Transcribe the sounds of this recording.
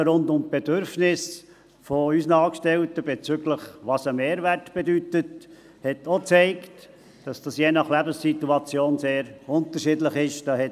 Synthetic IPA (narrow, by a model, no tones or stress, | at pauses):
ɾʊndʊmb̥ed̥øɾfnɪs | foysənɑːkʃtɛltəb̥et͡syɡləχʋɑsəmeːɾværtb̥edytət | hɛtʰot͡sɛɪkt | d̥ɑsd̥ɑsjeːnɑχlæbənssit̪uɑt͡sjoːnseːɾʊnt̪əɾʃɪdləχɪʃd̥ɑhɛ